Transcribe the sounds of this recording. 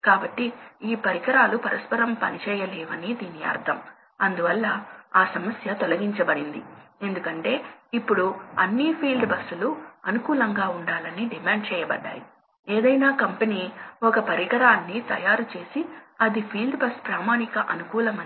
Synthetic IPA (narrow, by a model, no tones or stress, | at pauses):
kaːbɐʈːiiːpɐɾiɡɐɾaːlupɐɾɐspɐɾɐmpɐnit͡ʃɛːjɐlɛːʋɐnid̪iːniɐ̰ːɾt̪ʰɐm | ɐnd̪uʋɐlːɐaːsɐmɐsjɐt̪ɔlɐɡiɲt͡ʃɐbɐɽind̪ḭe̞nd̪ukɐɳʈe̞ːipːuɽuɐnːipʰiːlɖbɐsːuluɐnukuːlɐŋɡaːuɳɖaːlɐniɖimaːɳɖ̚t͡ʃɛːjɐbɐ̰ɖːa̰ːji | eːd̪ɐjnaːkɐmpeniːɔkɐpɐɾiɡɐɾaːnːit̪ɐ̰jaːɾut͡ʃe̞ːsiɐd̪ipʰiːlɖbɐspɾaːmaːnikɐʔɐnukuːlɐmɐ